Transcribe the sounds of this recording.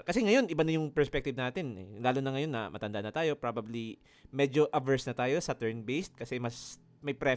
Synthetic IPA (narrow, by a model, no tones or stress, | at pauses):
kɐsɛŋɐjo̞nʔɪbanɐjʊŋpɛɹspɛk̚t̪ɪb̚naːt̪ɪnɛ̰laːlʊnɐŋɐjo̞nːɐ̰mʔɐ̰t̪ɐnd̪anɐt̪aːjo̞pɾaːbɐbli | mɛd͡ʒoʔɐbɛɹsnɐt̪aːjo̞sɐt̪ɛɹnbejst̪̚kɐsɛmɐs | mɐjpɾɛ